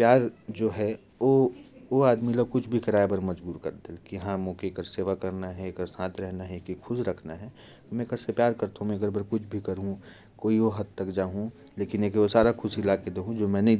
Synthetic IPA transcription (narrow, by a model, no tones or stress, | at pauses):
pjaːɾd͡ʒoːɦɛ | ooaːd̪milokʊt͡ʃʰbʱikɐɾaːebɐɾmɐd͡ʒbuːɾkɐ̰ɾd̪elkijɐɦãmɔ̃ːkekəɾseːʋakɐɾnaɦɛkəɾsãːt̪ɾɛɦnaɦɛkikʰʊsɾɐkʰnaɦɛ | t̪omɛ̃kɐɾsepjaːɾkɐɾt̪aɦũmɛ̃ɐɡəɾbɐɾkʊt͡ʃʰbʱikɐɾɦũ | koːiʋoɦɐd̪̚t̪ɐkd͡ʒaːɦũ | leːkɪneːkeʋosaːɾakʰʊsilaːked̪eɦũd͡ʒoːmɛ̃nɐɦĩ